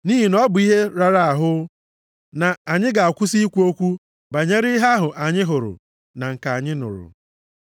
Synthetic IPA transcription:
ni˦ɦi˨nɔ˦bʊ˨i˦ɦe˦ɾa˨ɾa˦˨a˨ɦʊ˦ | na˨a˨ɲɪ˦ɡa˨a˨kʷu˦si˦kʷu˦o˦kʷu˦ | ba˨ɲe˦ɾɪ˦ɦa˦ɦʊ˨ʔa˨ɲɪ˦ɦʊ˨ɾʊ̰˨ | na˨ŋ̩˨ka˨a˨ɲɪ˦nʊ̰˨ɾʊ̰˨

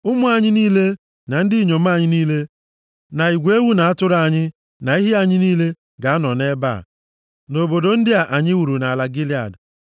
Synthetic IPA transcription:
ʊ˦mʊ˦a˨ɲɪ˦niː˦le˦ | na˨n̩˦dɪ˦i˦˨ɲo˨m̩˦a˦˨ɲɪ˦niː˦le˦ | na˨i˨ɡʷe˦wu˦na˨a˦tʊ˦ɾa˨ɲɪ˦ | na˨i˦ɦi˦a˨ɲɪ˦niː˦le˦ | ɡa˨a˦nɔ˨ne˦ba̰˦˨ | no˨bo˨do˨n̩˦dɪ˦a˨ʔa˨ɲɪ˦wu˨ɾu˨na˨la˨ɡɪ˦li˦a̰˨d

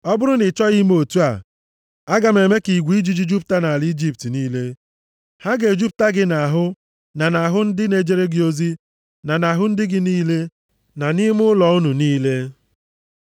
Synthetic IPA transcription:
ɔ˦bʊ˦ɾʊ˦nɪ˨t͡ʃɔ˦ɣi˦m˦o˨tu˦a̰˨ | a˦ɡa˨me˨me˦ki˨ɡʷi˦d͡ʒi˦d͡ʒi˦d͡ʒu˦p̚ta˦na˨li˦d͡ʒi˦p̚ti˨niː˦le˦ | ha˦ɡe˨d͡ʒu˦p̚ta˦ɡɪ˦na˨ɦʊ˦ | na˨na˨ɦʊ˦n̩˦dɪ˦ne˨d͡ʒe˨ɾe˦ɡɪ˨o˦zi˦ | na˨na˨ɦʊ˦n̩˦dɪ˦ɡɪ˦niː˦le˦ | na˨ni˦mʊ˦ʊ˦lɔ˨ʊ˦nu˨niː˦le˦

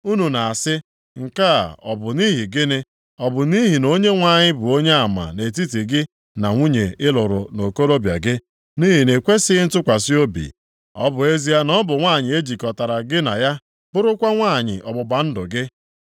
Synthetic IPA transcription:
u˦nu˨na˨a˨sɪ˦ | ŋ̩˨ka̰˦˨ɔ̰˨bʊ˨ni˦ɦi˨ɡɪ˦nɪ˦ | ɔ˨bʊ˨ni˦ɦi˨no˦ɲe˦ŋʷa˦˨ɲɪ˦bʊ˨o˦ɲe˦a˨ma̰˨ne˨t̬i˦ti˨ɡɪ˦ | na˨ŋʷu˦ɲe˨ɪ˦lʊ˨ɾʊ˨no˨ko˦ɾo˦bja̰˨ɡɪ˦ | ni˦ɦi˨ne˨kʷe˦sɪ˦n̩˦tʊ˦kʷa˨si˦o˦bḭ˨ | ɔ̰˦bʊ˨e˦zi˦a˦nɔ˦bʊ˨ŋʷa˦˨ɲɪ˨e˦d͡ʒi˨kɔ˨ta˨ɾa˨ɡɪ˦na̰˨ja˦ | b̥ʊ˦ɾʊ˦kʷa˦ŋʷaː˦˨ɲɪ̰˨ʔɔ˨bʊ˨ba˨n̩˦dʊ˨ɡɪ˦

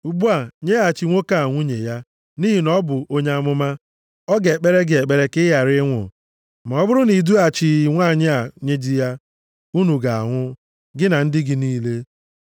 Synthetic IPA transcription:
u˨ɡ͡bu˦a˨ɲe˦a˨t͡ʃi˨ŋʷo˦ka˦˨a˨ŋʷu˦ɲḛ˨ja˦ | ni˦ɦi˨nɔ˦bʊ˨o˦ɲe˦a˦mʊ˦ma˦ | ɔ˦ɡe˨e˨k͡pe˦ɾe˦ɡɪ˨e˨k͡pe˨ɾe˨˦kɪ˦ja˨ɾɪ˦ŋʷʊ̰˨ | ma˨ɔ˦bʊ˦ɾʊ˦ni˨du˦a˨t͡ʃi˨˦ŋʷa˦˨ɲɪ˦a˨ɲe˦d͡ʒi˦ja˦ | u˦nu˨ɡa˨a̰˨ŋʷʊ˦ | ɡɪ˦na˨n̩˦dɪ˦ɡɪ˦niː˦le˦

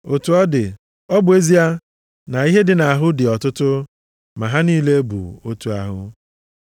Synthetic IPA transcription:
o˨tu˨ɔ˦dɪ˨ | ɔ˦bʊ˨e˦zi˦a˦ | na˨i˦ɦe˦dɪ˨na˨a˨ɦʊ˦dɪ˨ɔ˨tʊ˦tʊ˦ | ma˨ɦa˦niː˦le˦bṵ˨o˦tu˨˦a˦ɦʊ̰˦

